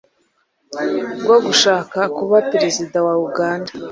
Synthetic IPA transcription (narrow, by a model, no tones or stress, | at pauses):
ɡwaɡuʃaːkakuβapeɾezidawauɡaːnda